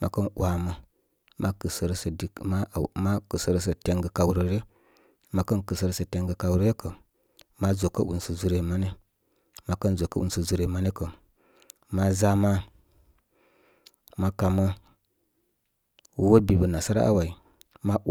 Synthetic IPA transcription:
mʔa̰˨kə˦nwa˨mə˦ | mʔa˦kɨ˨sə˨ɾsə˨di˨ma˦˨ma˦kə˨sə˨ɾə˦s̬ə˨te˦ŋɡə˨ka˨wu˨ɾə˨ɾe˦ | ma˨kə˦nkə˨sə˨ɾə˨˦sə˨te˨ŋɡə˨ka˨wɾə˦je˦kə˨ | ma˦zo˨kə˦ʔṵ˨nsə˨zu˨ɾe˨ma˦ni˦ | ma˨kə˦nzo˨kə̰˦ʔṵ˨nsə˨zu˨ɾe˨ma˦ni˦kə˨ | ma˦za˦ma˦ | ma˦ka˨mə˦ | wo˦bi˨bə˨na˨sa˦ɾa̰˦ʔa̰˦wa˨i˨ | ma˦

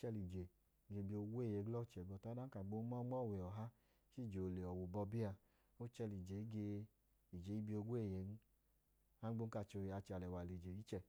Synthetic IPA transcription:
t͡ʃɛ˧li˨d͡ʒe˨ | ɡe˨˧˨bi˧o˧˦ɡʷe˦˨je˨˦ɡlɔ˦˨t͡ʃɛ˨ɡ͡bɔ˧ta˦da˦ka˨ɡ͡bo˦mɔ˦mɔ˦˨we˨ɔ˨ɦa˦ | t͡ʃi˦˨d͡ʒe˨o˨le˨ɔ˨wo˨bɔ˧bi˦a˧ | o˦t͡ʃɛ˧li˨d͡ʒe˨i˦ɡe˧ | i˨d͡ʒe˨˦i˦bi˧˦o˧ɡʷe˦˨je˨˦n̩˦ | a˦o˧˦n˦ka˧˨t͡ʃo˧˨a˧t͡ʃa˨lɛ˨wa˨le˨d͡ʒe˨i˦t͡ʃɛ˧˨

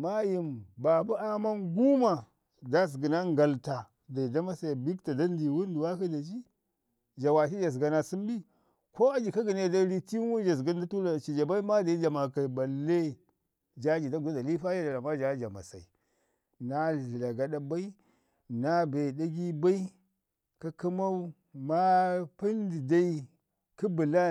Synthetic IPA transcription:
ma˦ji˨mba˨bu˦a˦ma˦nɡu˦ma˨ | da˦s̬ɡi˨na˦ŋɡa˨lta˨ | da˨i˨da˦ma˦sa˨bi˦kta˨da˦n˦di˨wu˦n˦du˨wa˦ka˦da˨t͡ʃi˦ | d͡ʒa˨wa˨ʃi˦d͡ʒa˨s̬ɡa˨na˨si˦m˦bi˦ | ko˦a˦d͡ʒi˨ka˦ɡi˨ne˦˨da˦ɾi˦ti˦wu˦d͡ʒa˨s̬ɡa˦n˦da˦tu˦la˨t͡ʃi˨d͡ʒa˨ba˦i˦ma˦da˨i˦d͡ʒa˨ma˨ka˨i˨ba˨lːe˦ | d͡ʒa˦d͡ʒi˨da˦ɡu˨a˦da˨li˦fa˦ja˦da˨la˨ma˦d͡ʒa˨˦d͡ʒa˨ma̰˨sa̰˨i˨ | na˦˨ɬi˨la˨ɡa˦ɗa˦ba˦i˦ | na˦be˨da˦ɡi˦ba˦i˦ | ka˦ki˦ma˦u˦ | ma˦pi˦ndi˨da˦i˦ | ki˦bi˨la˦

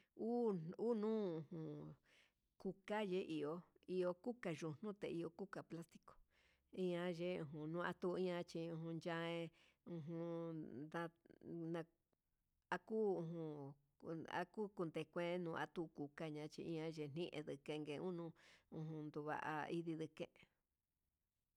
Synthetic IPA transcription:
uː˦u˦nũː˦ũ˧˨hũ˧ | ku˧ka˦je˦ʔi˧o˧i˧o˧ku˦ka˨ʒu˧n̥ũ˦t̪e˨i˧o˧ku˦ka˨pla˦st̪i̥˧ko̥˨ | ĩ˦ã˧ʒe˦ũ˧˨ɦũ˧nũː˦˧a˧t̪u˧ĩ˦ã˧t͡ʃi˧ũ˧ɦũ˧nd͡ʒã˦ẽ˧ | ũ˧ɦũ˧d̪a˧nã˧ | a˧kuː˦ũ˧ɦũ˧ | a̰˧˦kuː˦ku˧nd̪e˧kʷẽ˦nũː˧a˧t̪u˦˧ku˨ka˦ɲã˧˦t͡ʃḭ˧ĩ˦ã˧˦ʒe˧n̥ĩ˦ʔḛ̃˧ðɨ˨kẽ˧ŋɡẽ˧ũ˦nũ˧˦ũ˧ɦũ˧nd̪u˧βa̰˧˨ʔa̰˧i˧ði˧ðɨ˧kḛ̃˧ʔ

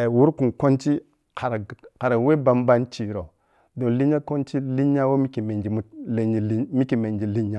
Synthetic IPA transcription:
e˨wu˦ɾku˨nko˦nt͡ʃi˦ | kʰa˨ɾa˨ka˨ɾa˨we˦ba˨˦mba˦nt͡ʃi˨ɾo˨ | do˨n˨li˦ɲa˦ko˦nt͡ʃi˦li˦ɲ˦a˦wo˦mi˦ki˨me˨d͡ʒi˨mu˦le˨i˨li˦mi˦ki˨me˨nd͡ʒi˨li˦ɲːa˦

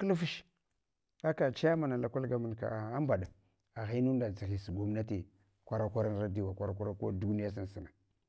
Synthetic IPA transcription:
kə˦lfi˦ʃ | a˦ka˨t͡ʃa˦a˦ma˨na˨la˨kʷa˦lɡa˦mə˨nka̰˨a˦mba˨ɗa˨ | a˨ɣi˦nu˦nda˨t͡sa˨li˨si˨ɡʷo˦mna˦ti˨ | kʷa˦ɾa˦kʷa˦ɾa˦n˨ɾa˦di˦wa˨kʷa˦ɾa˦kʷa˦ɾa˦ko˦˨du˦ni˦ja˦s̬i˦n˨si˨na˨

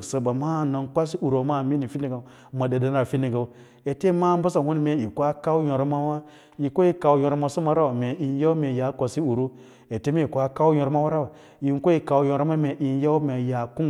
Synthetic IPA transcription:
sə˨ba˨ma˦˨na˨nkʷa˦s̬i˦ʔu˨ɾo˨˦ma˦˨mi˦ni˨fi˦ni˨ɡa˨˦ | ma˨de˨de˨n˦ɾa˨fi˦ni˨ɡa˨ | e˨te˦ma˦m˦bu˦sa˨hu˦n˨me˨i˨kʷa˦ka˦u˦jo˨ɾo˦ma˦wa˦ | ji˨ko˦i˦ka˨wu˦jõ˨ɾo˦ma˨su˦ma˨˦ɾa˦wme˨i˨n˦ja˦u˦me˨ja˨˦kʷa˨si˦u˨ɾu˦ | e˨te˦me˦i˨kʷa˦ka˦u˦jo˨ɾo˦ma˦wa˦ɾa˦w | ji˨n˦ko˦i˦ka˨wu˨jo˨ɾo˦ma˦me˨ʔi˨˦ja˦u˦me˨ja˨ku˦

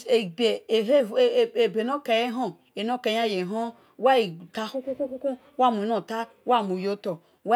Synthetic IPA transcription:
e˨be˨e˦˨e˨be˨no˦ke˨je˦ɦo˦ | e˨no˦ke˨˦a˦˨je˨ɦo˦ | wa˦i˨ta˨˦hu˦ku˦ku˦ku˦ku˦ | wa˦˨mu˨no˨ta˦ | wa˦˨mu˨jo˦to˨ | wa˦

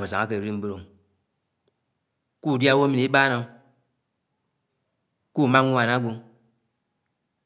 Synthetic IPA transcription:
o˨za˨a˦kə˨ɾi˦m̩˦be˦ɾo˨ŋ | ku˦˨di˦a˦wo˦mi˨ni˨˦i˦ɓa˦na˨˦ | ku˦˨ma˦ŋu˦a˨na˦ɡo˧ŋ

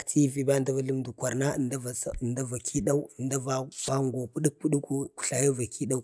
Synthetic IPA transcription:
ktʰi˦vi˨ba˦˨da˦va˦lu˦mdu˨kʷa˨ɾna˦˨nda˦va˨snda˦va˨kʰi˦ɗa˦u˦ə˨nda˦va˦sʷa˦ŋɡo˨pu˦ɗi˦k̚pu˦ɗu˦ku˦ku̥˨ɬa˨ja˦va˨kʰi˦ɗa˦u˦

